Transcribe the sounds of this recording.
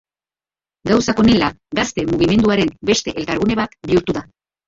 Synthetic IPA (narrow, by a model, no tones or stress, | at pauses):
ɡawsako̞ne̞la | ɡast̪e̞muɣ̞ime̞nd̪uaɾe̞mbe̞st̪e̞ʔelkaɾɣune̞βat̪biuɾt̪uða